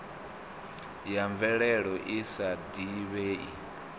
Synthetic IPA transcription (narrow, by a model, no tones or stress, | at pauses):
jaɱvɛɺɛɺɔʔisad̪iβeːḭ